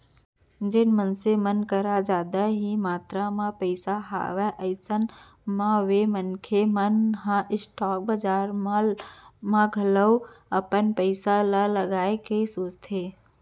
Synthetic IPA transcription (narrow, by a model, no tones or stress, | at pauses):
d͡ʒɪnmənsemənkəɾad͡ʒaːd̪aɦimaːt̪ɾamãpəɪsaɦa̰ːʋɛʔəɪsən | mãʋemənkʰemənɦãʔɪsʈɔːk̚bəd͡ʒaːɾmamãɡʱələwəpənpəɪsalaləɡaːekesoːt͡ʃt̪ʰe